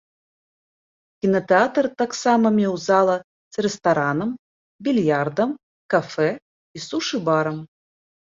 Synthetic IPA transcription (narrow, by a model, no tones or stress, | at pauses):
kʲinɐt̪ɛat̪rt̪aksamɐmʲɛwzalˠɐ | sɾɛst̪aɾanɐm | bʲilʲjard̪ɐm | kafɛ | isuʂɨbaɾɐm